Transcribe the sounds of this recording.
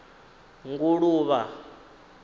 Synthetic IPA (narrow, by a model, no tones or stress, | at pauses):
ŋɡuɺuːβa